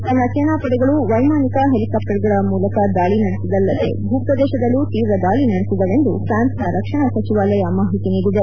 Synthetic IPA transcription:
t̪ɐnːɐt͡ʃenaːpɐɽɛɡɐɭuʋɐjmaːnikɐɦelikɐp̚ʈɐɾɡɐɾɐmuːlɐkɐd̪aːɭinɐɽesid̪ɐlːɐt̪ḛbʱuːpɾɐd̪ɛːʃɐd̪ɐlːut̪iːʋɾɐd̪aːɭinɐɽesid̪ɐʋe̞nd̪upɾaːnsnɐɾɐkʂɐɳɐsɐt͡ʃiʋaːlɐjɐmaːɦit̪iniːɡ̪uʋ̪e

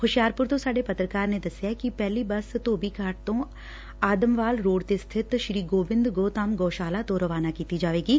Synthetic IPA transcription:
xʊʃijaːɾpʊɾt̪osaːɖepɐt̪ɾəkaːɾned̪ɐsjakipɛɦlibɐst̪oːbʱikaːʈt̪õ | aːd̪əmʋaːlɾoːɽt̪est̪ʰɪt̪ʃɾiːɡoːʋɪ̃nd̪ɡoːt̪aːmɡoːʃaːlat̪oɾəʋaːnakiːt̪id͡ʒaːʋeːɡiː

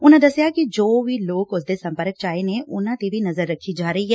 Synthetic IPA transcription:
ʊnãd̪ɐsjakid͡ʒoːbʱiloːkʊsd̪esɐ̃mpəɾək̚t͡ʃaːenẽʔʊnãt̪ebʱinɐzəɾːɐkʰːid͡ʒaːɾɐɦiɦɛː

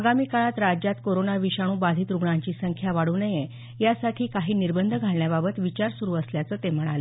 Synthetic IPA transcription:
əɡamiːkaɭat̪ɾad͡ʑjat̪koɾonaʋiɕaɽ̃uːbad̪ʱiːt̪ɾuɡɳaɲt͡ɕiːsəŋkʰjaʋaɽuːnəje | jasaʈʰiːkaɦiːniɾbənd̪ʱəɡʱaɭɳjababət̪ʋit͡ɕaɾsuɾuːəsljat͡səːt̪em̤əɽ̃alə

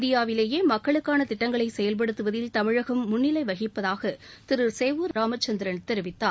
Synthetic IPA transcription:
d̪ɪjaːʋɪleːjeːmɐkːɐɭɯkːaːnɐt̪ɪʈːɐŋɡɐɭɐɪsɛjɐlp̬ɐɽɯt̪ːɯʋɐðɪlt̪ɐmɪɻɐɣɐmːʊɳːɪlɐɪʋɐɣɪpːɐðaːɣɐt̪ɪɾɯseːʋuɾɾaːmɐt͡ʃːɐnd̪ɪɾɐnt̪ɛɾɪʋɪt̪ːaː

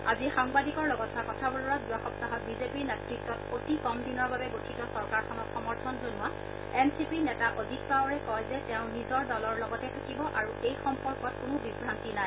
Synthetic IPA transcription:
azixaŋbadikɔɹlɔɡɔtʰːakɔtʰabʊlɔɹazuaxɔp̚taɦɔt̚bizepiɹnɛtɹik̚tːɔtotikɔmdinɔɹbabɛɡotʰitɔsɔɹkaɹkʰɔnɔtxɔmɔɹtʰɔnzonʊa | ɛmsipinɛtaʔodʱit̚paɔɹɛkɔjzɛtɛʊ̃nizɔɹdɔlɔɹlɔɡɔtɛtʰakibɔʔaɹuʔejxɔmpɔɹkɔt̚kʊnʊbibʱːantinaj

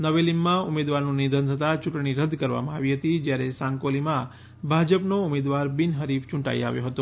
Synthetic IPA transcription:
nəʋelimːãʊmed̪ʋaɾnũnid̪ʱənt̪ʰət̪at͡ʃʊʈɳiɾəd̪ʱkəɾʋa̰mãaʋiɦət̪id͡ʒjaɾesãŋkolimã | bʱad͡ʒəpnoʊmed̪ʋaɾbinɦəɾift͡ʃʊ̃ɳʈa̰ḭa̰ʋjoɦət̪o

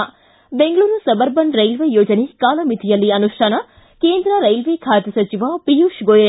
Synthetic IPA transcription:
beŋɡɐɭuːɾnusɐbɐɾbɐnɾɐjlʋejoːd͡ʒɐnekaːlɐmit̪ʰijɐlːiɐnuʃʈʰaːnɐ | keːnd̪ɾɐɾɐjlʋekʰaːt̪jɐsɐt͡ʃiʋapijuːʃɡoːjɐ

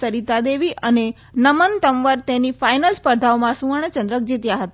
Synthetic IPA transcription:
əɾit̪ad̪eʋiʔəne | nəmənʈ̪əmʋəɾt̪enifajnəlspəɾd̪ʱaomãsũəɳ̃ət͡ʃə̃nd̪ɾək̚d͡ʒit̪jaɦət̪a

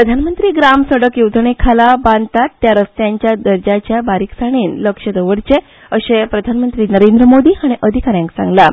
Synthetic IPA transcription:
pɾəd̪ʱanmənt̪ɾiːɡɾamsəɽəkjet̪əɳ̃ekʰalaband̪t̪at̪ːjaɾəst̪jaɲt͡ɕjad̪əɾd͡ʑat͡ɕjabaɾiksaɽ̃iːnləkʂəd̪əʋəɽt͡ɕe | əɕepɾəd̪ʱanmənt̪ɾiːnəɾend̪ɾəmod̪iːɦaɽ̃iʔəd̪ʱikaɾjãŋksã̰ŋɡla

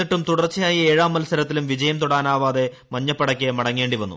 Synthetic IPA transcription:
iʈːumt̪uɽɐrt͡ɕːɐjaːjieːɻaːmːɐlsɐɾɐt̪ːilumʋid͡ʑɐjɐmt̪uɽaːnaːʋaːðe̞ | mɐɲːɐpːɐɽɐkʲːemɐɽɐŋːe̞ːɳɖiʋɐnːṵ

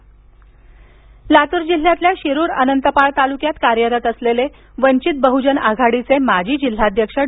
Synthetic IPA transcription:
lat̪uɾd͡ʑil̤ːjat̪ljaɕiɾuɾə̰nənt̪əpaɭt̪alukjat̪kaɾjəɾət̪əslele | ʋəɲt͡ɕit̪̚bəɦud͡ʑənaɡʱaɽit͡semad͡ʑʱiːd͡ʑil̤ːad̪ʱjəkʂə

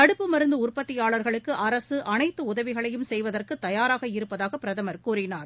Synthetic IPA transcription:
kɐɽɯpːɯmɐɾɯnd̪ɯʊrpɐt̪ːɪjaːɭɐɾɣɐɭɯkːɯʔɐɾɐsɯʔɐnɐɪt̪ːɯʊðɐʋɪɣɐɭɐjɯmsɛjʋɐðɐrkɯt̪ːɐjaːɾaːɣɐɪɾɯpːɐðaːɣɐpːɪɾɐðɐmɐɾkuːrɪnaːɾ

